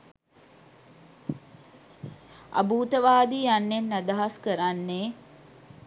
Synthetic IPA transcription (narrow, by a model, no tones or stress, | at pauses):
a̰buːt̪əʋaːd̪ijanːenːad̪ɐɦaskəɾanːe